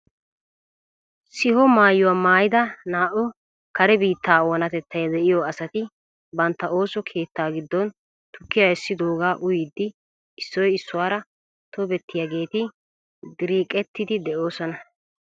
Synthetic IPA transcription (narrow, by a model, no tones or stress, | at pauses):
sɪhɔmaːjːʊwaːmaːjɪd̪ɐnaːʔɔ | kɐɾɛbiːt̪ːaːwɔnɐt̪ɛt̪ːɐjd̪ɛʔɪjɔɐsɐt̪ɪ | bɐnt̪ːɐʔo̞ːsɔkʰe̞ːt̪ːaːɡɪd̪ːɔn | t̪ʊkːɪjaɛsːɪd̪oːɡaːʔʊjid̪ːɪ | ɪsːɔjɪsːʊwaːɾɐ | t̪ɔbɛt̪ːɪjaːɡe̞ːt̪ɪ | d̪ɪɾiːkʼɛt̪ːɪd̪ɪd̪ɛʔo̞ːsɔnɐ